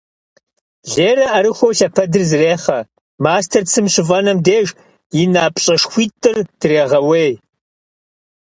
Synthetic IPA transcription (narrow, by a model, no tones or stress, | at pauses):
ɮeːɾɐʔɐɾɨxʷowɬɐpʰɐdɨrzɨreːχɐ | maːstʰɐrt͡sʰɨmɕɪvɐnɐmdeːʒ | jɪnaːpʼɕʼɐʂxʷiːtʼːɨrd̥ɨreːʁɐweːj